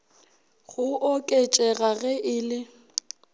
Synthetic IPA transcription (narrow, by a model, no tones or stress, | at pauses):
ɣʊʔokʼet͡ʃʼɛɣaɣɛʔɪlɪ